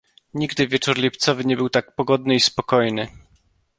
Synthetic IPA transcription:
ɲiɡd̪ɘvʲjɛt͡ʂuɾlʲipt̪sɔvɘɲɛbɘwt̪ak̚pɔɡɔd̪nɘispɔkɔjnɘ

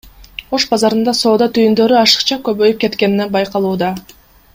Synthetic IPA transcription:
o̞ʃbɑzɑɾɯnd̪ɑso̞ːd̪ɑt̪ʰyjynd̪ø̞ɾyɑʃɯ̥qt͡ʃɑkø̞βø̞jyp̚ke̞t̪ke̞ninebɑjqɑlˠuːd̪ɑ

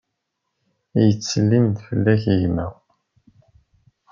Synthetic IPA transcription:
jət͡sːəlːind̪fəlːæçiʝmæ

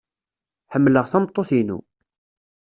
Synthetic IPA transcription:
ħəmːləʁθæmt̪ˤːoθinṵ

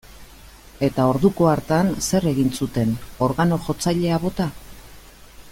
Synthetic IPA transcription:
e̞t̪ao̞ɾðuko̞aɾt̪anse̞re̞ɣinsut̪e̞no̞ɾɣano̞ʝo̞t͡sajʎe̞aβo̞t̪a

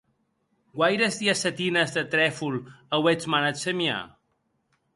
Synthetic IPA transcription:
ɡwajɾezðiasət̪inəzðət̪ɾɛfuləwet͡smanət̪semia̰

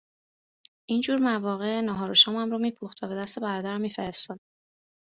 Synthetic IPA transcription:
ʔiːnd͡ʒuːɾmævɒːɣe̞nɒɦɒːɾoʃɒːmæmɾoːmiːpʰuxt̪væbe̞d̪æst̪e̞bæɾɒːd̪æɾæmːiːfeɾest̪ɒːd̪̥

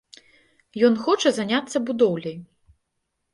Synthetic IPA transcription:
jɔnxɔt͡ʂɐzanʲat̪sːɐbud̪ɔwlʲɐj

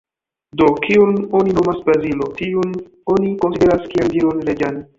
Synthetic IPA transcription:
do̞kʰiuno̞nino̞masbɾazilo̞tiun | o̞niko̞nside̞ɾaskiandiɾonɾed͡ʒan

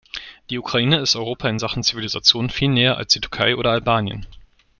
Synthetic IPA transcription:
d̥iːukʁ̥aiːnəɪstʔɔʏʁ̞oːpʰaɪnzaχn̩t͡sivilizat͡sjoːnfiːlnɛːɐʔa̰lsd̥iːtʰʊɐkʰaɪʔoːɾɐalbaːnjə̰n

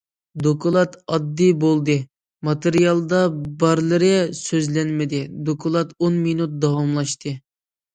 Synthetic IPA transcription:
d̪okʰolˠɑt̪ɑd̪ːijbolˠd̪ɨ | mɑt̪ɨɾijɑlˠd̪ɑbɑɾlˠɨɾɨsøzlɛnmɪd̪ɪd̪okʰolˠɑt̪onminut̪̚d̪ɑwɑmlˠɑʃt̪ʰɨ

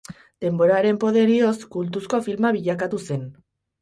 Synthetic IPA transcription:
d̪̥e̞mbo̞ɾaɾe̞mpo̞ð̞e̞ɾio̞skult̪usko̞filmaβiʎakat̪use̞n

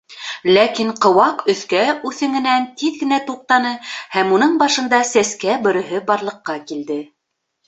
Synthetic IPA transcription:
lækiɴqɤ̆wɑqɵ̆θkæʉθɘ̆ŋɘ̆nænt̪iðɡɘ̆næt̪uq̚t̪ɑnɤhæmunɤɴbɑʃɤ̆nd̪ɑsæskæbɵ̆ɾɘ̆ɦɘbɑɾlˠɤ̆qːɑkild̪ɘ

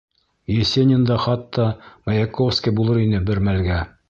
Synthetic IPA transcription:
jĕsʲenʲɪnd̪ɑχɑt̪ːɑmɑjɑkofskʲibulˠɤɾinɘbɘɾmælɡæ

